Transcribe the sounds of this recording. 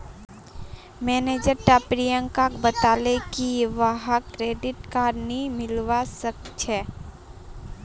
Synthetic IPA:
mɛːneːd͡ʒəɾʈapɾijə̃ŋkakbət̪aːlekiʋaɦakɾeːɖɪʈkaːɾnimɪlʋasək̚t͡ʃʰɛː

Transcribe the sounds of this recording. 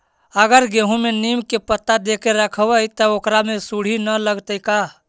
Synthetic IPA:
əɡəɾɡeɦũmenimkepət̪ːad̪ekeɾəkʰəwəjt̪əokɾamẽsuɽ̤inələɡt̪əɪka

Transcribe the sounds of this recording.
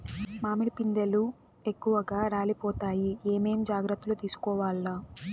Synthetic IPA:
maːmilipind̪elu | e̞kːuʋɐɡaːɾaːlipɔːt̪aːjieːme̞ːmd͡ʒaːɡɾɐt̪ːulut̪iːsu̥kɔːʋaːlːaː

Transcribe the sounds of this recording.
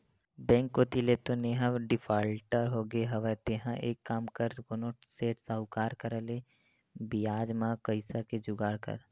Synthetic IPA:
bɛ̃ːŋkːot̪ilet̪oneɦãɖɪpʰaːlʈəɾɦoːɡeɦɐʋɛt̪eɦãʔeːkːaːmkəɾkonoseːʈsəɦʊkaːɾkəɾəle | bijaːd͡ʒmãkəɪsaked͡ʒʊɡaːɽkə̰ɾ

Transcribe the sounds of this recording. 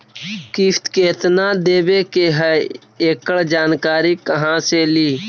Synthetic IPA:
kiːft̪keːt̪nãːd̪eːʋeːkeːɦə | eːkəɽd͡ʒaːnkaːɾiːkəɦãːseːliː

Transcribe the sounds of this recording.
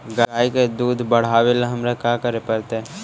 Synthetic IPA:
ɡaːiked̪uːd̪ʱbəɽ̤aːʋelaɦɐmɾekaːkəɾepəɾt̪eɛ̃

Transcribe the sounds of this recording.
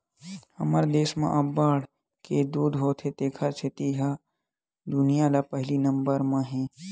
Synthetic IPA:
hɐməɾd̪eːsmã̰ʔabaːɽ | ked̪uːd̪ɦoːt̪ʰet̪eːkʰəɾt͡ʃʰet̪iɦa | d̪ʊnijalapəɦlinɐ̃mbəɾmãɦɛ̃

